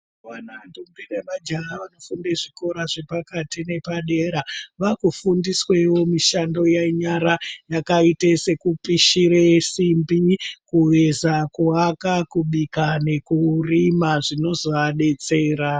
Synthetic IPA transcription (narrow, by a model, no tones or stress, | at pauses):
ʋanandombinemad͡ʒaaʋano̞fundeʐiko̞ɾaʐe̞pakatine̞paɗe̞ɾaʋakufundiswewo̞miʃando̞jaiɲaɾajakaitese̞kupiʃiɾesimbikuʋe̞zakuakakuɓikane̞kurimaʐino̞zoʋaɗe̞t͡se̞ːɾa